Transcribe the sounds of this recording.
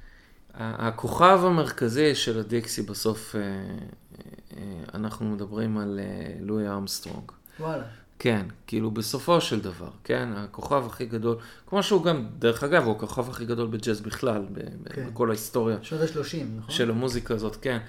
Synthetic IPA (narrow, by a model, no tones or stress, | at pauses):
a̰ʔa̰kʰo̞χavame̞ʁkaziʃe̞lad̪iksibaso̞fe | ea̰naχnume̞d̪abʁimalḛːuiamst̪ʁo̰ŋɡ | wala | ke̞nkiːlube̞so̞fo̞ʃeld̪ava̰ʁke̞nakoχavaχiɡado̞lkmo̞ʃeuɡamd̪eʁeχaɡavuakoχavaχiɡado̞lbed͡ʒezbiχlalbḛbeko̞laist̪o̞ʁjazeʃloʃimnʃe̞lamuzikaːzo̞t̪ke̞n